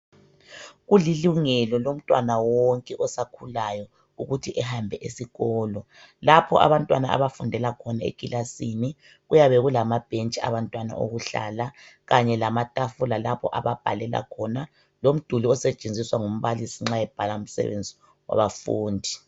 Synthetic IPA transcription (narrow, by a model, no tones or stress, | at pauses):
ɣuliluŋɛlɔlom̩tʼwanawɔŋkʼɛʔɔsakʰulajɔ | uɣutʰiʔɛhambʱɛʔesiɣɔːlɔ | lapʰɔ̰ʔa̰βantʼwanaa̰βafundʱɛlakʰɔnaḛkʼilʔasini | ɣujaβɛɣulamab̥ʱent͡ʃʼia̰βantʼwana̰ʔo̰ɣuɬa̰laɣaɲɛlamatʼafulalapʰɔ̰ʔaβab̥ʱalɛla̰kʰɔna | lom̩d̥ʱuliɔsɛt͡ʃʼend͡zʱiswaŋom̩βalisiŋ͡ǁajɛb̥ʱalaum̩sɛ̰βḛnd͡zʱi | wa̰βafṵːndʱi